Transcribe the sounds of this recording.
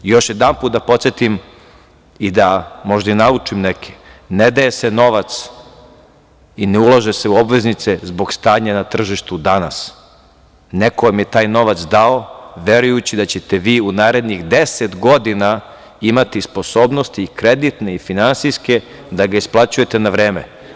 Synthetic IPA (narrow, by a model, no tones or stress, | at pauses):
jo̞ʃjed̪anpuːt̪d̪apot̪sjet̪im | id̪amo̞ʒd̪ainaut͡ʂimnekʰe̥ned̪ajeseno̞ʋat̪s | ineulˠaʒese̞uo̞bʋe̞znit̪sezboɡst̪aːɲanat̪r̩ʒiʃt̪ud̪anas | nekomjet̪aːjno̞ʋat̪sd̪aoʋe̞ɾujut͡ɕid̪at͡ɕet̪eʋiːunaːɾe̞d̪nixd̪eset̪ɡo̞d̪ina | imat̪ispo̞soːbnost̪iːkɾed̪it̪ne̞ifinansijske̞ | d̪aɡaisplˠat͡ɕuje̞t̪enaʋɾeːmḛ